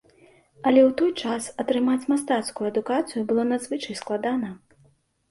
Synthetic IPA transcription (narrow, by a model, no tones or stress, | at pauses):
ɐlʲɛwt̪ɔjt͡ʂasɐt̪ɾɨmat͡sʲmas̬t̪at̪skujuɐd̪ukat̪sɨjubɨlˠɔnad̪zvɨt͡ʂɐjsklˠad̪anɐ